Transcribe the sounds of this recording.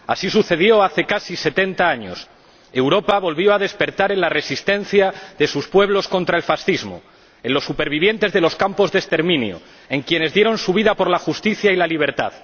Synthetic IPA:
asisuθe̞ðjo̞aθe̞kasise̞t̪e̞nt̪aaɲo̰s | e̞wɾo̞paβo̞lβjo̞aðe̞spe̞ɾt̪aɾe̞nlare̞sist̪e̞n̟θjaðe̞suspwe̞β̞lo̞sko̞nt̪ɾaelfasθizmo̰ | e̞nlo̞sːupe̞ɾβ̞iβ̞je̞nt̪e̞zðe̞lo̞skampo̞zðe̞st̪e̞ɾmĩnj̰o̰ | e̞ŋkje̞ne̞zðje̞ɾo̞nsuβ̞iðapo̞ɾlaxust̪iθjailaliβ̞e̞ɾt̪a̰ð

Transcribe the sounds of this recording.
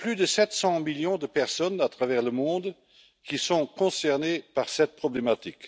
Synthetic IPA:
plyd̪əsɛt̪sɑ̃miljɔ̃d̪əpɛʁsɔnat̪χavɛʁləmɔ̃d̪ | kisɔ̃kɔ̃sɛʁnepaʁsɛt̪̚pχɔblemat̪ik

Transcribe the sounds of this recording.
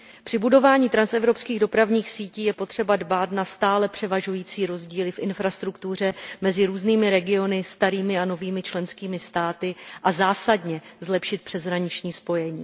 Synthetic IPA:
pr̥ɪbudo̞vaːɲiːt̪ɾansɛvɾo̞pskiːɣdo̞pɾavɲiːxsiːciːjɛpo̞t̪r̝̥ɛbadbaːt̪nast̪aːlɛpr̥ɛvaʒujiːt͡siːɾo̞zɟiːlɪfʔɪnfɾast̪ɾukt̪ur̝ɛmɛzɪɾuːzniːmɪɾɛɡɪo̞nɪst̪aɾiːmɪano̞viːmɪt͡ʃlɛnskiːmɪst̪aːt̪ɪʔazaːsadɲɛzlɛpʃɪt̪̚pr̥ɛzɦɾaɲɪt͡ʃɲiːspo̞jɛɲiː

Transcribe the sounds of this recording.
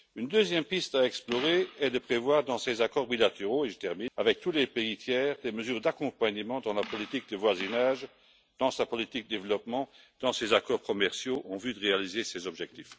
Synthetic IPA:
ynd̪øzjɛmpist̪aɛksplɔʁeɛd̪əpχevwaːʁd̪ɑ̃sezakɔːʁbilat̪eʁoeʒət̪ɛʁminavɛk̚t̪ulɛpeit̪jɛːʁd̪eməzyːʁd̪akɔ̃paɲəmɑ̃d̪ɑ̃lapɔlit̪ik̚d̪əvwazinaːʒ | d̪̥ɑ̃sapɔlit̪ikd̪əd̪evəlɔpmɑ̃ | d̪̥ɑ̃sezakɔːʁkɔmɛʁsjoʔɑ̃vyd̪əʁealizesɛzɔbʒɛk̚t̪if

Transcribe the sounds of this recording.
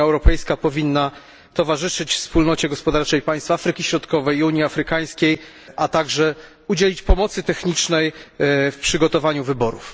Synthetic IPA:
aɛwɾɔpɛjskapɔvʲinːa | t̪ɔvaʐɘʂɘt͡ɕfspulnɔt͡ɕɛɡɔspɔd̪aɾt͡ʂɛjpaj̃st̪fafɾɘkʲiɕɾɔt̪kɔvɛjuɲiafɾɘkaj̃skʲej | ʔat̪aɡʐɛ | ud͡ʑelʲit͡ɕpɔmɔt̪sɘt̪ɛxɲit͡ʂnɛjfpʂɘɡɔt̪ɔvaɲuvɘbɔɾṵf

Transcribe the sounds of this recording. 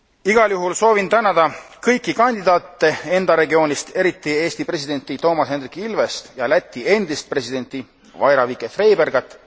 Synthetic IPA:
iɡ̥ɑljuɦulso̞ːvint̪ænɑd̪̥ɑkɤjkˑːikɑnʲd̪id̪ɑːt̪ːe̞e̞nd̪̥ɑɾe̞ɡio̞ːnʲist̪e̞ɾit̪ˑːie̞ːst̪ipre̞sid̪e̞nʲt̪ˑit̪o̞ːmɑshenrikːˑiilve̞st̪jɑlæt̪ʲːˑie̞nd̪ist̪̚pre̞sid̪e̞nʲt̪ˑi | vɑ̰jɾɑvikeθre̞jberɡ̥ɑt̪ːˑ

